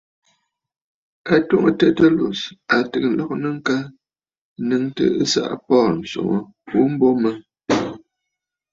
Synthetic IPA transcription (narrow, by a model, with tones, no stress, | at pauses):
a˨to˦ŋə˨tə˦tə˦lo˨sa˨tɨ˨klɔ˦k̚nə˦ŋ̩˦ka˦ | nɨ˦ŋtə̰˨ə˦sa̰˦ʔpɔː˦˨n̩˨so̰˨ŋo˦ | u˦m̩˦bo˦mə˦